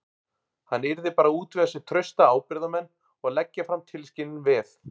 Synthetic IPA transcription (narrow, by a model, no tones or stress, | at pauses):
hanːɪɾðɪpaːɾauːt̪vɛðasɛt̪ʰɾœɥst̪aaːwpɪɾðamɛnː | ɔɣlɛcːafɾamt̪ʰɪlscɪnːɪnvɪθ